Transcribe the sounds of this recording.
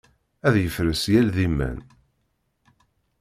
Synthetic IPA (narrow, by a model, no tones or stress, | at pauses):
æðjəfɾəsjælðimːæ̰n